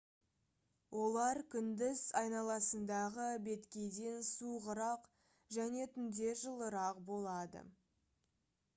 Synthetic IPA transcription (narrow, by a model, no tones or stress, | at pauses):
wʔo̞lˠɑɾkʲʰʏnd̪ɪzɑjnɑlˠɑsənd̪ɑʁəbe̞t̪kʲe̞jd̪e̞nsuʁəɾɑq | ʒæne̞t̪ʰʏnd̪e̞ʒəlˠəɾɑqbo̞lˠɑd̪ə̰